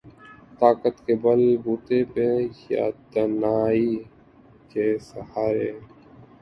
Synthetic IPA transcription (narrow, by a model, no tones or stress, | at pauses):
t̪aːkət̪kebəlbuːt̪epeja̰ːd̪ənaːi | kesəhaːɾeː